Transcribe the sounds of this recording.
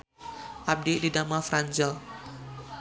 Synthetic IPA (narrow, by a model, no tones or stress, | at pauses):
ʔab̚dididamafɾaɲd͡ʒal